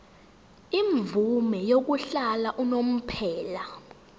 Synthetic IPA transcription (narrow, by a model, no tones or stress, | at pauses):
iɱvumɛjok̬uɬalaʔunom̩pʰɛːla